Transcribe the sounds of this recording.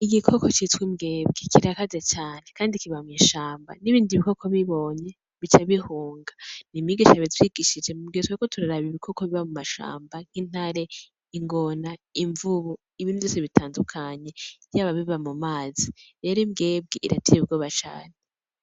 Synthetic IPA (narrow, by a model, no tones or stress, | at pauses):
iɡikʰo̞ko̞t͡ʃitwimɡe̞ːbɡekiɾakazat͡ʃaːne̞kaːndikiβamwiːʃaːmba̰niβiːndiβiko̞kʰo̞βiβo̞ɲe̞ | βit͡ʃaβihuːŋɡanimiɡiʃaβitwiɡiʃid͡ʒe̞muɡietwekotuɾaɾaβiβikʰo̞koβiβamumaʃa̰ːmbaŋ̥hin̥haɾe̞ | iŋɡo̞naiɱvuβu | iβinujoseβitʰaːndukʰaɲe̞jaːβaβiβamumaːziɾe̞ːɾoimɡe̞ːb̚ɡeʔiɾa̰tʰeβub̚ɡoːβat͡ʃa̰ːne